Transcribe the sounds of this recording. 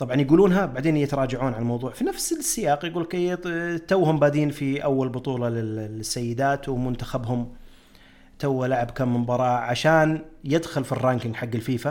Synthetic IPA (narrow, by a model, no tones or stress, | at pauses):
t̪ˤɑbʕɑnjaɡuːluːnɦabaʕd̪eːnjɪt̪ɑɾˤɑːd͡ʒaʕuːnʕalmɑwðˤuːʕfinafsɪlsːɪjaːqjɡuːlket̪t̪awːhʊmbaːd̪iːnfiʔawːalbʊt̪ˤuːlɑlɪɪsːajːɪd̪aːt̪wmʊnt̪axabhʊm | t̪awːalaʕabkamːɪmbɑɾˤɑːʕaʃaːnjɪd̪xʊlfirːaːnkɪŋɡħaɡːɪlfiːfa